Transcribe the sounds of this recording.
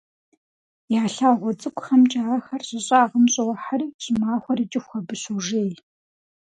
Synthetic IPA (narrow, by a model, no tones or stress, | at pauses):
jaːɬaːʁʷɔd͡zʼɨkʷʼxɐmt͡ʃʼaːxɐrʑʼɐɕʼɐaːʁəmɕʼɐwɐħariːɕʼɪmaːχʷɔriːt͡ʃʼɪxxʷɐbɨɕuʒeːj